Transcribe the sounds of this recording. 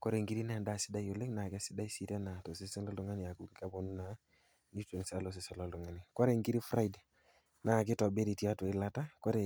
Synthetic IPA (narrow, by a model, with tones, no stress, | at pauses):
kɔ˦ɾe˨ŋɡi˦ɾi˦na˨nda˦˨sɪ˦da˦jo˨le˦kna˨kɪ˦a˦sɪ˦da˦i˦si˦tɛ˦na˨to˨sɪ˦sɛ˦lɔ˦ldɔ˦ŋa˦nɪ˨a˨ku˨kka˦bo˨nu˦na˨ | ni˦te˨n˨sa˦lo˨s̬ɪ˦sɛ˦lɔ˦˨ldɔ˨ŋa˦ni˨kɔ˦ɾe˨ŋɡi˦ɾi˦fɾa˦i˨d | na˨k̬ɪ˦tɔ˨be˦ɾi˨ti˦a˦to˨ɪ˦la˦ta˦kɔ˦ɾe˨